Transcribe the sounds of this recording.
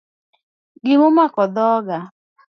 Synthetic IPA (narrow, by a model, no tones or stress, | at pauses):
ɡɪmomakɔd̪ɔɡa